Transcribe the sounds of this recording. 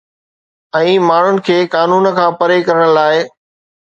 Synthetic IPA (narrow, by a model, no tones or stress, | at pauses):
ɛ̃ːmaːɳ̤ʊnɪ̆kʰeːkaːnuːnə̆kʰãːpɐɾekɐɾəɽ̃laːɪ